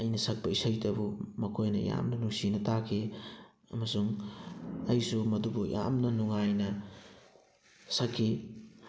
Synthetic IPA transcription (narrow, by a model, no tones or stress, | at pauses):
ɐjnɐsɐk̚bɐisɐjtɐbumɐkʰojnɐ̰ja̰mnɐnuŋsinɐtakʰi | ɐ̰mɐsuŋ | ɐjsumɐdubujʔa̰mnɐnuŋajnɐ | sɐkʰːi